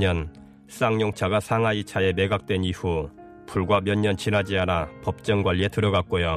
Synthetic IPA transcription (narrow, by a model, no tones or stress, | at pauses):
ɲʌn | s͈aŋɲoŋt͡ɕʰaɡasʰaŋɦait͡ɕʰae̞meɡak̚t͈we̞niɸu | pʰuɭɡwamjʌnɲːʌnt͡ɕinɦad͡ʑianapʌp̚t͡ɕ͈ʌŋɡwaʎːie̞tɯɾʌɡak̚k͈ojo